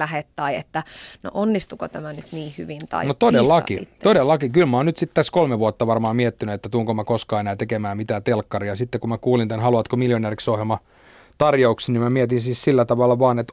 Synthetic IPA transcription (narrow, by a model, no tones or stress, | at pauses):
læhet̪tɑiḛt̪ːæno̰ʔonːist̪ukot̪æmænyt̪niːhyʋint̪ɑ̰inot̪odelːɑkit̪ːodelːɑkikylmæonnyt̪sit̪t̪æskolmeʋuɑt̪ːɑʋɑrmɑːmmiɛt̪ːinyet̪ːæt̪uoŋkomækoskɑːenæːt̪ekemæːmit̪æːt̪elkːɑriɑsit̪ːekumækuːlint̪ænhɑluʋɑt̪komiljoneːriksohjelmɑ | t̪ɑrjouksnimæmiɛt̪insiːssilːæt̪ɑʋɑlːɑʋɑːnet̪